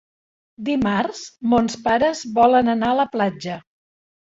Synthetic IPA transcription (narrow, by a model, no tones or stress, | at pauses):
d̪imarzmonspaɾəzβɔlənənaələplad͡ʒə